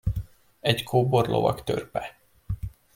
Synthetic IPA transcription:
ɛɟkʰoːborlʔo̰vɒkt̪ørpɛ

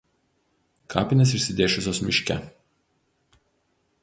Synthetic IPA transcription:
kʰɑ̰ːpʲɪnʲes̬ɪʃʲsʲɪd̪ʲeːʃʲʊsʲoːsmʲɪʃʲkʲɛ̰

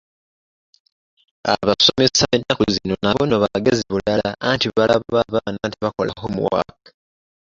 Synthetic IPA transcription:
a̰βaso̞mesaenːakuzino̞naβo̞no̞βaɡeziβulalaantiβalaβaβaβaːnantiβako̞laɦomuwa̰kḁ

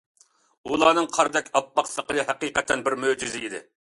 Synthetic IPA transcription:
ulˠɑːnɨŋqʰɑɾd̪ɛkʲɑpːɑqsəqəlˠɨɦæqiqɛt̪ʰːɛnbɪɾmød͡ʒizɪid̪ɪ̰

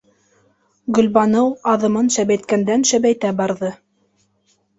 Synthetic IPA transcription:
ɡɵ̆lbɑnɤwɑðɤ̆mɤnʃæβæjt̪kænd̪ænʃæβæjt̪æbɑɾðɤ

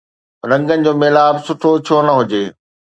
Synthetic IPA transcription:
ɾɐ̃ŋɡənɪ̆d͡ʑoːmeːlaːbsʊʈʰot͡ɕʰoːnɐɦʊd͡ʑeː

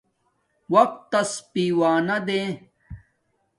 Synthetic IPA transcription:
wɐq̚t̪ːɐspiːwaːnɐd̪ẽː

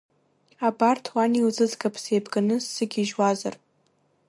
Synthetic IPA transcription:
abartʰwanilzɨzɡapʰsejbɡanɨsːɨɡʲiʒwazar

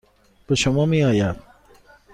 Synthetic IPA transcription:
b̥eʃomɒːmiːɒːjæd̪̥̚

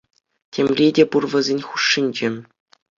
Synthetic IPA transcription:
tʲʰemʲrʲedʲepurvɤ̆zʲenʲχuʂːinʲd͡ʑĕ

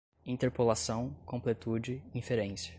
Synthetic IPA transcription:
ĩt̪eɾpolasɐ̃w̃kõmplet̪ud͡ʒɪĩfeɾẽsɐ̥

